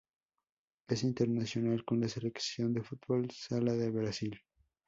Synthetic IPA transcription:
e̞sint̪eɾnasjo̞nalko̞nlaseleksjo̞nd̪e̞fut̪βolsalaðeβɾasil

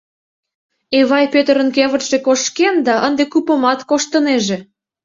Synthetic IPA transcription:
eβɑjpøt̪əɾənkeβə̆t̪ʒ̥ekoʃkend̪ɑʔənd̪ekupə̆mɑt̪koʃt̪əneʒe

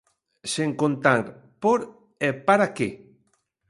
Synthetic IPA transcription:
seŋkont̪aɾ | poɾ | epaɾake

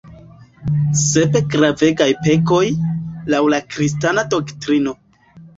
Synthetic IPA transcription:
se̞pe̞ɡɾave̞ɡajpe̞ko̞jlawlakɾis̬tanado̞ktɾino̞

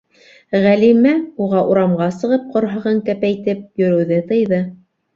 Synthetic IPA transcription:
ʁælimæuʁɑʔuɾɑmʁɑsɤ̆ʁɤp̚qŏɾɦɤ̆ʁɤŋk̪æpæjt̪ɘp̚jɵ̆ɾɘ̆wðɘt̪ɤ̆jðɤ

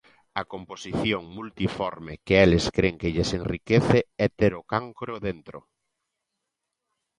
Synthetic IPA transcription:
ɐkomposiθjoŋmult̪ifɔɾmekɪɛlɪskɾeŋkɪʎesenrikeθɪɛt̪eɾokaŋkɾoðent̪ɾʊ̰

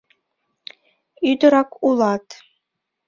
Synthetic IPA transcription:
yd̪ɤ̆ɾɑkulˠɑt̪

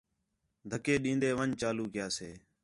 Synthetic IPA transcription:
d̪ʱəkeːɗĩːnd̪eːʋəɲt͡ʃaːluːkɪjaːseː

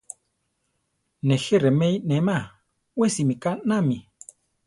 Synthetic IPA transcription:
nɛxeɾemɛjnɛmã | wesimikanãmi

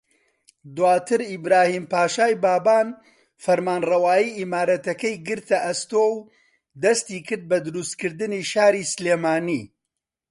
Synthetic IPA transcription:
d̪waːt̪ʰɨɾibɾaːhiːmpaːʃaːjbaːbaːn | fɐɾmaːnrɐwaːjiːʔimaːɾɐt̪ɐkɐjɡɨɾt̪ɐʔɐst̪oːw | d̪ɐst̪iːkɨɾd̪̚bɐd̪ɨɾust̪̚kɨɾd̪ɨniːʃaːɾisleːmaːnḭ

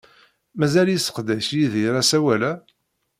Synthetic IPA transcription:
mæzæljisə̥qd̪æʃjiðiɾæsæwælæ

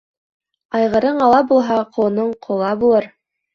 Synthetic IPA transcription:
ɑjʁɤ̆ɾɤɴɑlˠɑbulˠɦɑqʰŏɤ̆nɤɴqʰŏlˠɑbulˠɤɾ

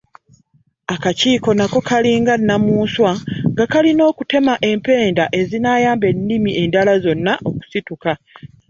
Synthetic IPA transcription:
akaciːko̞nako̞kʰaliːŋɡanːamuːswaŋɡakalino̞ːkute̞maʔe̞mpe̞ːndaʔe̞zinaːjaːmbe̞nːimiʔendalazo̞nːaʔo̞ku̥situka

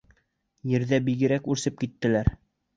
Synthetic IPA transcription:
jɘ̆ɾðæbiɡɘ̆ɾækʉɾsɘp̚kit̪ːɘ̆læɾ

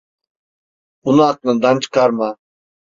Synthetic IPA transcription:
unak̚nɨd̪ant͡ʃkʰaɾma

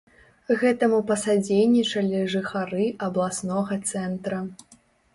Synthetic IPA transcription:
ɣɛt̪ɐmupɐsad͡zʲejnʲːit͡ʂɐlʲiʐɨxaɾɨʔɐblˠasnɔɣɐt̪sɛnt̪ɾɐ

